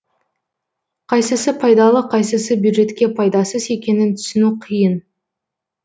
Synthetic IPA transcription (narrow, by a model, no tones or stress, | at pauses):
qʰɑjsəsəpʰɑjd̪ɑlˠəqʰɑjsəsəbjud̪ʒe̞t̪kʲe̞pʰɑjd̪ɑsəze̞kʲe̞nɪnt̪ʰʏ̥sɪnuqʰijən